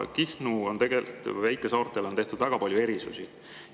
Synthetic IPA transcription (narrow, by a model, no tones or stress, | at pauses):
kihnuo̞nt̪e̞ɡ̥e̞lt̪ˑvæjkːˑesɑːrt̪ˑelo̞nt̪e̞ht̪ud̪væɡ̥ɑpɑlʲjue̞ɾisusi